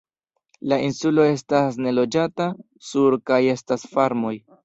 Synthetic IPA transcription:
lainsulo̞e̞s̬tasne̞lo̞d͡ʒata | suɾkaje̞stasfaɾmo̞j

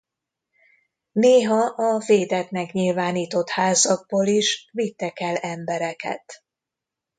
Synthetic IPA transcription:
neːɦɒʔɒveːd̪ɛt̪nɛkɲilvaːniːt̪o̞t̪haːzɒɡ̚boːliʃvit̪ːɛkɛlɛmbɛɾɛkɛ̰t̪

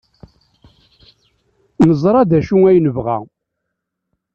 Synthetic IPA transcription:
nəzˤɾˤɑd̪æʃuŋæjnəvʁæ̰

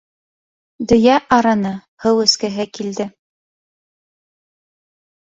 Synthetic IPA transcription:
d̪ɵ̆jæʔɑɾɑnɤhɤwɵ̆skɘɦɘkild̪ɘ

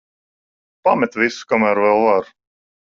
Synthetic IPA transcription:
pamɛt̪visu̥kamæːɾvɛlˠvaɾ

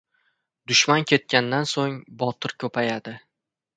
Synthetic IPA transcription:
d̪ʊʃmankʲʰe̞t̪̚kʲand̪ansoŋbɒt̪ʰɪɾkʲʰɵpʰajad̪ɪ

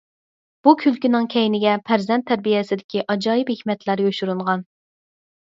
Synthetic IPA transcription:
b̥ukʲʰylkʲinɪŋkʲʰɛjnɪɡʲɛpʰæɾzɛnt̪ʰːæɾbijɛsɪd̪ɪkʲiʔɑd͡ʒɑːjiphehʲmɛt̪ʰlæɾjoʃuɾuɴʁɑn

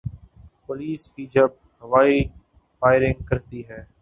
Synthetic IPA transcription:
pʊliːskiːd͡ʒəb̚ | ɦəʋaːiː | fʰaːɪɾɪ̃ŋɡ̚kəɾt̪iːɦɛː

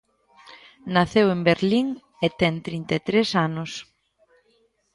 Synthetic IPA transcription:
naθewembeɾliŋ | et̪ɛŋt̪ɾint̪et̪ɾesanʊs

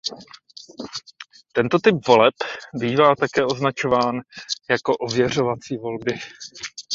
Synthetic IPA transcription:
t̪ɛnt̪o̞t̪ɪp̚vo̞lɛpbiːvaːt̪akɛːʔo̞znat͡ʃo̞vaːnjako̞ʔo̞vjɛr̝o̞vat͡siːvo̞lbɪ

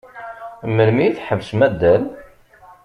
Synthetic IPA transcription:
məɾmiθħəvsmæd̪ːæl

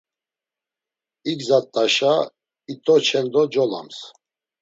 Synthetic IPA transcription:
iɡzat̪ʼːaʃa | it̪ʼɔt͡ʃʰɛnd̪ɔd͡ʒɔla̰ms

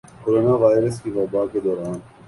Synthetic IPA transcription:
koɾoːnaʋaːjɪɾəskiʋaːbaːked̪ɔːɾaːn

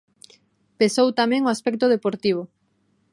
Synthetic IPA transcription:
pesowt̪amɛ̃ŋoaspɛk̚t̪oðepoɾt̪iβ̞o

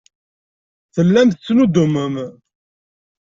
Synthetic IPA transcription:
θəlːæmθt͡sːnud̪ʊməm

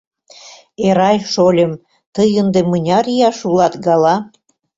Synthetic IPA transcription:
eɾɑjʃolʲə̆m | t̪əjənd̪emənʲɑɾijɑʃulɑt̪ɡɑlɑ

